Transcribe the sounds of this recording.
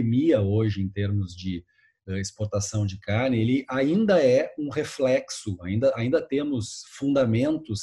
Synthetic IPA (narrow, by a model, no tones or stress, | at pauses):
miɐoʒɪẽt̪eɾmʊzd͡ʒɪ | ɛɪspoɾt̪asɐ̃w̃d͡ʒɪkaɾnɪelɪʔaĩnd̪ɐɛũheflɛksʊa̰ĩnd̪ɐʔaĩnd̪ɐt̪ẽmʊsfũnd̪amẽnt̪ʊs